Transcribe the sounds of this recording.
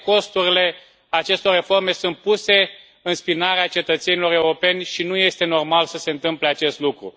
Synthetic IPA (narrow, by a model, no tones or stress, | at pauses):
ko̞st̪uɾile̞ | at͡ʃe̞st̪o̞re̞fo̞rme̞sunt̪̚puse̞ | ɨnspinaɾeat͡ʃe̞t̪ət̪se̞nilo̞ɾe̞uɾo̞pe̞nʲʃinuje̞st̪e̞no̞rmalsəse̞ɨnt̪ɨmple̞at͡ʃe̞st̪lukɾṵ